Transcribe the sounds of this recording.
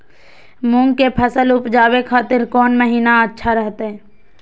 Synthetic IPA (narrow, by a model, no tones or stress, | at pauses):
mʊ̃ŋɡkepʰəsəlʊpd͡ʒaːwekʰaːt̪ɪɾkɔːnməɦiːnaətːʃʰaɾəɦt̪eɦɛː